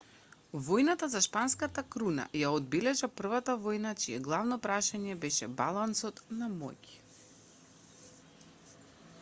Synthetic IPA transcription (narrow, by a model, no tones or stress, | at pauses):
vɔjnat̪azaʃpanskat̪akɾuna̰jaɔd̪̚bɛlɛʒapr̩vat̪avɔjnat͡ʃiɛɡlˠavnɔpɾaʃaɲɛbɛʃɛbalˠansɔt̪namɔ̰c